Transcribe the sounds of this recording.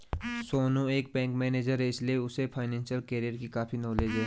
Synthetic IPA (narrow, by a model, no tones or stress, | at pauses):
soːnõeːk̚bɛ̃ːŋkmɛːneːd͡ʒəɾɦɛɪslieʊsepʰaːɪnɛ̃ːnʃəlkeːɾijəɾkikaːfinɔːleːd͡ʒɦɛː